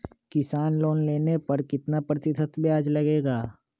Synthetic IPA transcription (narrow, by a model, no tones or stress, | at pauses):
kɪsaːnloːnleːnepɐɾkɪt̪napɾɐt̪ɪt̪ʰət̪ʰbjaːd͡ʒlɐɡeːɡaː